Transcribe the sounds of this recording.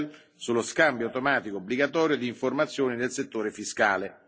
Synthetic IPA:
l | sulːoskambjoawt̪omaːt̪ikoːbliɡat̪̬ɔːɾjod̪iːɱformat̪sːjoːninelset̪ːoːɾefiskaːle

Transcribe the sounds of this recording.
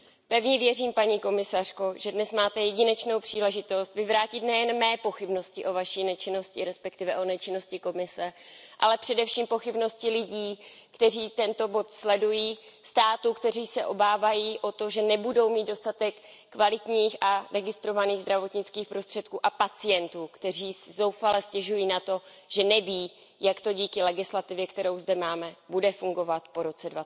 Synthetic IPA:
pɛvɲɛvjɛriːmpaɲiːko̞mɪsar̝̥ko̞ʒɛdnɛsmaːt̪ɛjɛɟɪnɛt͡ʃno̞wpr̥iːlɛʒɪt̪o̞st̪vɪvɾaːcɪt̪nɛjɛnmɛːpo̞xɪbno̞scɪʔo̞vaʃinɛt͡ʃɪno̞scɪɾɛspɛk̚t̪ɪvɛʔo̞nɛt͡ʃɪno̞scɪko̞mɪsɛ | ʔa̰lɛpr̝̥ɛdɛfʃiːmpo̞xɪbno̞scɪlɪɟiː | kt̪ɛriːt̪ɛnt̪o̞bo̞t̪slɛdujiː | st̪aːt̪ukt̪ɛriːsɛʔo̞baːvajiːʔo̞t̪o̞ʒɛnɛbudo̞wmiːd̪̚do̞st̪at̪ɛkː | valɪt̪ɲiːxʔaɾɛɡɪst̪ɾo̞vaniːɣzd̪ɾavo̞t̪ɲɪt͡skiːxpɾo̞st̪r̥ɛt̪kuːʔapat͡sɪjɛnt̪uːkt̪ɛr̝iːszowfalɛscɛʒujiːnat̪o̞ | ʒ̥ɛnɛviː | jakt̪o̞ɟiːkɪlɛɡɪslat̪ɪvjɛkt̪ɛɾo̞wzdɛmaːmɛbudɛfuŋɡo̞vat̪po̞ɾo̞t͡sɛdva

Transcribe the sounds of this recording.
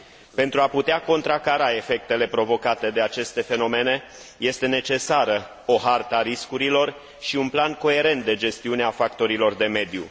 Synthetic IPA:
pe̞nt̪ɾuaput̪eako̞nt̪ɾakaɾae̞fe̞k̚t̪e̞le̞pɾo̞vo̞kat̪e̞d̪e̞at͡ʃe̞st̪e̞fe̞no̞me̞ne̞ | je̞st̪e̞ne̞t͡ʃe̞saɾə | o̞ɦart̪əaɾiskuɾilo̞r | ʃiunplanko̞e̞ɾe̞nt̪̚d̪e̞d͡ʒe̞st̪iuneafakt̪o̞ɾilo̞rd̪e̞me̞d̪jṵ

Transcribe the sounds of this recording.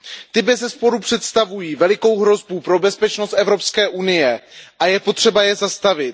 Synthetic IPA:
t̪ɪbɛzɛspo̞ɾupr̝̥ɛt̪st̪avujiːvɛlɪko̞wɦɾo̞zbupɾo̞bɛspɛt͡ʃno̞st̪ʔɛvɾo̞pskɛːʔunɪjɛʔajɛpo̞t̪r̝̥ɛbajɛzast̪avɪt̪̚

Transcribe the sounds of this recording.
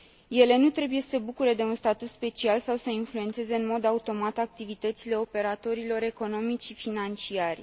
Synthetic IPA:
je̞le̞nut̪ɾe̞buje̞sebukuɾe̞d̪e̞unst̪at̪ut̪spe̞t͡ʃialsawsəinfluet̪se̞ze̞ɨnmo̞d̪aut̪o̞mat̪ak̚t̪ivit̪ət̪sile̞o̞pe̞ɾat̪o̞ɾilo̞ɾe̞ko̞no̞mit͡ʃʲʃifinant͡ʃiarʲ

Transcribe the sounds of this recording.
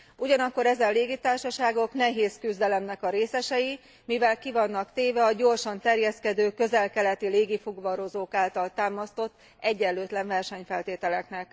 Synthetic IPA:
uɟɒnɒkːo̞ɾɛzɛnleːɡit̪aːrʃɒʃaːɡo̞kn̪ɛɦeːskyzd̪ɛlɛmnɛkɒɾeːsɛʃɛji | mivɛlkivɒnːɒkt̪eːvɛɒɟo̞rʃɒnt̪ɛrjɛskɛd̪øːkø̞zɛlkɛlɛt̪ileːɡifoɡʋɒɾo̞zoːkaːlt̪ɒlt̪aːmɒst̪o̞t̪ː | ɛɟːɛløːt̪lɛɱvɛrʃɛɲfɛlt̪eːt̪ɛlɛknɛk

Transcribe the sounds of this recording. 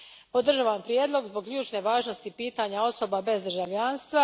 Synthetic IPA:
po̞d̪r̩ʒaʋampɾjeːd̪lˠo̞ɡzbo̞ɡʎuːt͡ʃne̞ʋaːʒnost̪ipiːt̪aɲao̞so̞babe̞zd̪rʒaʋʎanst̪ʋa

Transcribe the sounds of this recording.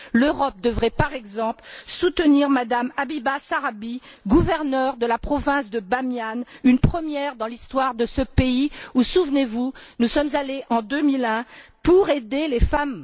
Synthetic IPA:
løʁɔp̚d̪əvʁɛpaʁɛɡzɑ̃plsut̪əniʁmad̪amabibasaʁabi | ɡuvɛʁnœʁd̪əlapχɔvɛ̃sd̪əbamjanynpχəmjɛʁd̪ɑ̃list̪waʁd̪əsəpeiusuvnevunusɔmzaleʔɑ̃d̪ømilɛ̃puʁed̪elefam

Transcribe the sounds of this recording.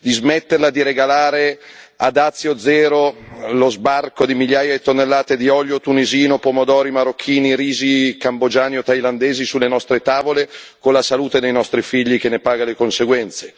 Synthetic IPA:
d̪izmet̪ːerlad̪iɾeɡalaːɾe | a̰d̪at̪sːjod̪zɛːɾolozbarkod̪imiʎjaːjaet̪ːonːelːaːt̪ed̪iɔʎjot̪uniziːnopomod̪ɔːɾimaɾokʰːiːniɾiːzikambod͡ʒaːniot̪ːajland̪eːzisulːenɔst̪ɾet̪aːvolekonlasaluːt̪ed̪ejnɔst̪ɾifiʎːikenːepaːɡalekonseɡwɛnt̪se

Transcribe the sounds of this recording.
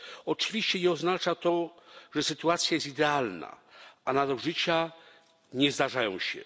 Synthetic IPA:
ɔt͡ʂɨvʲiɕt͡ɕɛɲɛɔznat͡ʂat̪ɔʐɛsɘt̪uat̪sʲjajɛst̪id̪ɛalna̰anavɛlʐɘt͡ɕa | ɲɛzd̪aʐajɔ̰̃w̃ɕɛ̰

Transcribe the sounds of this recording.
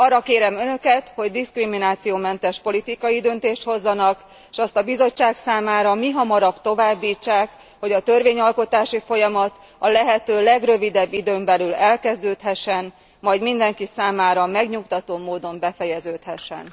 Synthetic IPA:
ɒrːɒkeːɾɛmø̞nø̞kɛt̪ho̞ɟd̪iskriminaːt̪sijoːmɛnt̪ɛʃpo̞lit̪ikɒjid̪ønt̪eːʃt̪ho̞zːɒnɒk | eʃɛst̪ɒbizo̞t͡ʃːaːksaːmaːɾɒmiɦɒmɒɾɒbt̪o̞vaːbːiːt͡ʃːaːk | ho̞ɟɒt̪ø̞rveːɲɒlko̞t̪aːʃifo̞jɒmɒt̪ | ɒlɛɦɛt̪øːlɛɡrø̞vid̪ɛbːid̪øːmbɛlylɛlkɛzd̪øːt̪ɦɛʃːɛn | mɒjɟmind̪ɛŋkisaːmaːɾɒmɛɡɲukt̪ɒt̪oːmoːd̪o̞mbɛfɛjɛzøːt̪hɛʃːɛ̰n

